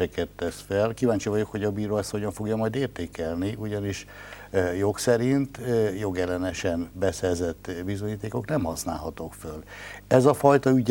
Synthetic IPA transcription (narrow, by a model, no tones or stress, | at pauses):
ɛkɛt̪ːɛsfɛlkivaːɲt͡ʃivɒɟo̞kho̞ɟɒbiːɾoːɛsho̞ɟɒɱfo̞ɡjɒmɒjd̪eːrt̪eːkɛlniʔuɟɒniʃ | jo̞ksɛɾint̪jo̞ɡɛlːɛnɛʃɛnbɛsɛrzɛt̪ːbizoɲiːt̪eːko̞knɛmhɒsna̰ːlɦɒt̪o̞kfølɛzɒfɒjt̪ɒyɟ